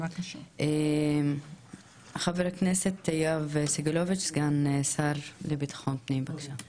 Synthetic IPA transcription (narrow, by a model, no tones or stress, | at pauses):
aʃʔem | χaveɾakneset̪ejavesiɡalovit͡ʃsɡanesaɾlebit̪ḁχontnimbaɡʃa